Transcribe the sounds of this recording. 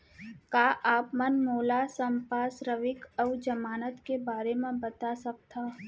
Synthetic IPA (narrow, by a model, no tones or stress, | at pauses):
kaːʔaːpmənmoːlasə̃mpaːsɾəʋɪkəʋd͡ʒɐmaːnət̪kebaːɾemẽbɐt̪asɐk̚t̪aː